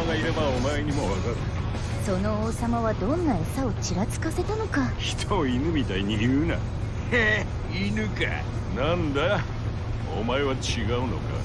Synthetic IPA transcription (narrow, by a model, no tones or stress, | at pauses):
aɡaiɾe̞baomae̞ɲ̟imoβakaɾɯ̟ | so̞no̞oːsamaβad̪õ̞nːae̞sao̞t͡ɕiɾat͡sɨ̥kase̞t̪ano̞kaçi̥t̪ʰoinɯ̟mʲit̪aiɲ̟ijɯna̰ | e | inɯka̰ | nãnd̪a | o̰mae̞βat͡ɕiɡaɯ̟no̞̰ka̰